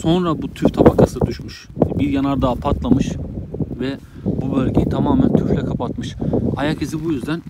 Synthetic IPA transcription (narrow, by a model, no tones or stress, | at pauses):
so̞nɾabut̪ʰyft̪ʰapakʰasɯd̪uʃmuʃ | biɾjanaɾd̪aːpʰat̪lˠamɯʃvɛ | bubølʲɟejit̪ʰamaːmænt̪ʰyflʲɛkʰapʰat̪mɯʃajacʰes̬ibujyzd̪æn